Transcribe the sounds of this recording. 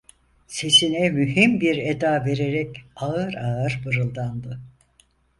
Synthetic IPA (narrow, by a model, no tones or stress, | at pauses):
se̞sinɛmyɦimbiɾed̪aːve̞ɾeɾɛcaɯɾaɯɾbɯɾɯlˠd̪and̪ɯ